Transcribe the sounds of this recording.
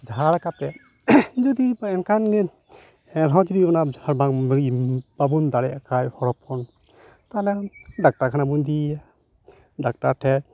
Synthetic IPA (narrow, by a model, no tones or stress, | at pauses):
d͡ʒaaɾkat̪ɛ | d͡ʒɔd̪ibɛnkʰan | ɾɦawd͡ʒid̪iɔnaaɾbaŋ | babund̪aɽɛakajhɔɾɔpʰɔn | t̪alɛdak̚ʈaɾkʰanabund̪ia | dak̚ʈaɾʈʰɛɾ